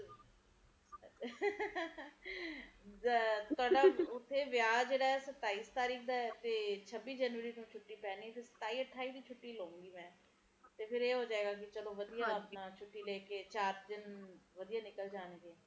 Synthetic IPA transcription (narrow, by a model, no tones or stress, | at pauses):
t̪ʊaːɖaːʊt̪ʰːeːʋjaːd͡ʒeːɽaːɛːsət̪ːaːiːst̪aːɾiːkʰd̪aːɛːt̪eːt͡ʃʰəbːiːd͡ʒɛːnʋəɾiːnũːt͡ʃʰʊʈːiːpɛːniːɛːt̪ʰɪsə̥t̪aːiːəʈʰːaːiːd̪iːt͡ʃʰʊʈːiːloːũːŋɡiːmɛ̃ː | t̪eːpʰɪɾeːɦoːd͡ʒaːeːɡaːk̬ɪt͡ʃəloːʋəd̪ijaːt͡ʃʰʊʈːiːleːkeːt͡ʃaːɾd̪ɪnʋəd̪ijaːnɪkəld͡ʒaːneːd̪eɛː